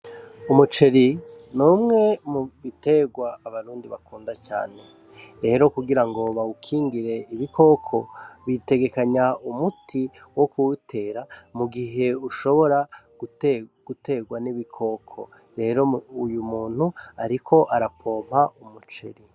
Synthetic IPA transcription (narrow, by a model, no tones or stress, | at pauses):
umut͡ʃeɾinuːmŋe̞muβite̞ɡwaːβaɾuːndiβakuːndat͡ʃa̰ːne̞ | ɾe̞ːɾo̞kuɡiɾaŋɡo̞βaukʰiːŋɡiɾe̞iβikʰo̞kʰo̞βite̞ɡe̞kaɲaumutʰiwo̞kutʰe̞ːɾamuɡiɦe̞uʃo̞βo̞ɾaɡuɡ̥ute̞ɡwaniβikʰo̞kʰo̰ | ɾe̞ːɾo̞ujumuːn̥huaɾikʰo̞ʔaɾapʰo̞ːm̥haumut͡ʃeɾi